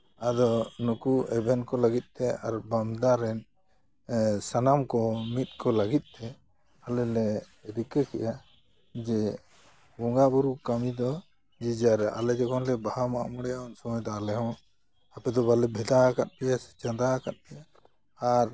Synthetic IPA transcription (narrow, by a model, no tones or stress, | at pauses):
ad̪ɔnukuɛbʱɛnkɔlaɡit̪̚ˀt̪ɛaɾbamd̪aɾɛn | sanamkɔmit̪̚ˀkɔləɡit̪̚ˀt̪ɛ | alɛlɛ | ɾikəkɛja | d͡ʒɛ | bɔŋɡabuɾukamid̪ɔ | d͡ʒid͡ʒaɾɛa̰lɛd͡ʒɛkɔnlɛbahamaʔmɔɽɛjaɔnsɔmɔjt̪aalɛɦɛw | apɛd̪ɔbalɛbʱɛd̪aakat̪̚ˀpɛjasɛ̥t͡ʃad̪aakat̪̚pɛjaː | ɾ